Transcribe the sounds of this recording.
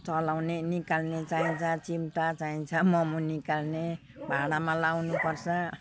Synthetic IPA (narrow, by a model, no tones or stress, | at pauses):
t͡sʌlawnenikalnet͡saint͡sʰʌt͡simʈat͡saint͡sʰʌmʌmunikalne | bʱaɽamãlawnupʌrt͡sʰʌ